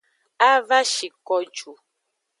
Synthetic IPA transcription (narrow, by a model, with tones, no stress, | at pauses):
a˦va˦ʃi˨kɔ˦d͡ʒu˨